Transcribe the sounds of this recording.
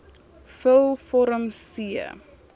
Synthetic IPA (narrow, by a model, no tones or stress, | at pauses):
fəlˠfɔɾəmsiə̰